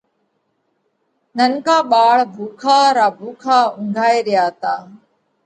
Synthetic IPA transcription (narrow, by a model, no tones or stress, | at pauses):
nənkaːɓaːɭbʱuːkʰaːɾaːbʱuːkʰaːʊŋɡʱaːeːɾɪjaːt̪aː